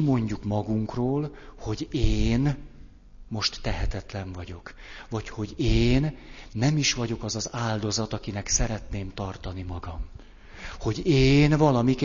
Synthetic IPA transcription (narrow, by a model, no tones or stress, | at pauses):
mo̞ɲɟukmɒɡuŋkroːlho̞ɟeːn | mo̞ʃt̪ːɛɦɛt̪ɛt̪lɛɱvɒɟo̞kʋɒcho̞ɟeːnːɛmiʃʋɒɟo̞kɒzɒzaːld̪o̞zɒt̪ɒkinɛksɛɾɛt̪neːmt̪ɒrt̪ɒnimɒɡɒm | ho̞ɟeːnvɒlɒmik